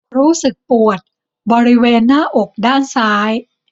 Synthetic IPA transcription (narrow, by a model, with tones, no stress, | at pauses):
ɾuː˦˥sɯ˨˩k̚pu˨˩ət̪̚ | bɔː˧ɾi˦˥weː˧nːaː˥˩ʔo˨˩k̚daː˥˩nsaː˦˥j